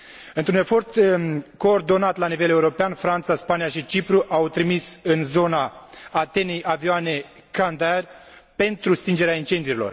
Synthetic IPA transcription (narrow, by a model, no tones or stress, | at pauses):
ɨnt̪ɾune̞fo̞rt̪ko̞ːrd̪o̞nat̪lanive̞le̞uɾo̞peanfɾant̪saspanijaʃit͡ʃipɾuʔawt̪ɾimisɨnzo̞naːt̪e̞ne̞jʔavioane̞ | kand̪arʲpe̞nt̪ɾust̪ind͡ʒe̞ɾeaint͡ʃe̞nd̪ijuɾilo̞̰r